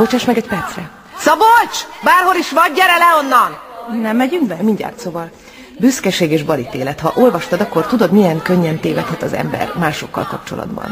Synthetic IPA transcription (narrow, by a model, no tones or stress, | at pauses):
bot͡ʃaːʃmɛɡɛcpɛrt̪srɛ | sɒbot͡ʃbaːrholiʃʋɒɟːɛɾɛlɛonːɒnnɛmːɛɟyŋɡbɛmiɲɟa̰ːrt̪soːvɒl | byskɛʃeːɡeːʒbɒlit̪eːlɛt̪hɒʔolvɒʃt̪ɒd̪ɒkːo̞rt̪ud̪o̞d̪mijɛŋkø̞ɲːɛnt̪eːvɛt̪hɛt̪ɒzɛ̰mbɛ̰rmaːʃo̞kːɒ̰lkɒp̚t͡ʃo̞lɒ̰d̪bɒ̰n